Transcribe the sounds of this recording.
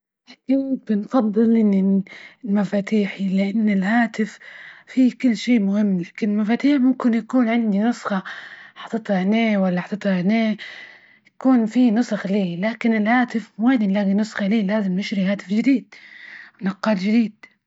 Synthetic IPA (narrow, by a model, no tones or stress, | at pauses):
laːkɪn̚bɪnfɑd̪ˤːɨlʔɪnːɪlmafaːt̪iːħilɪʔanːɪlhaːt̪ɪffikʊlːʃeːmʊhɪmːlaːkɪnɪlmafaːt̪iːħmʊmkɪnjakuːnʕɪnd̪inʊsˤxɑħɑt̪ːˤɨt̪ˤhaneːwalːaħɑt̪ːˤɨt̪ˤhaneː | jakuːnfinʊsˤxliːlaːkɪnɪlhaːt̪ɪfmweːnilaːɡinʊsˤxɑliːlaːzɪmnɪʃɾihaːt̪ɪfd͡ʒɪd̪iːd̪̥̚wɪnɑqːɑːld͡ʒɪd̪iːd̪̥̚